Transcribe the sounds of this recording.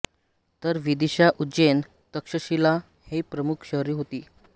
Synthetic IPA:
t̪əɾʋid̪iɕaʔud͡ʑen | t̪əkʂəɕila | hepɾəmukʰɕəɦɾiːɦot̪iː

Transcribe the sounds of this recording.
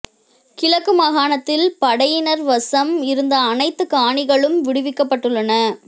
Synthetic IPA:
kɪlɐkːɯmɐɣaːɳɐt̪ːɪlpɐɽɐjɪnɐɾʋɐsɐmɪɾɯnd̪ɐːnɐɪt̪ːɯkaːɳɪɣɐɭɯmʋɪɽɯʋɪkːɐpːɐʈːɯɭːɐnɐ

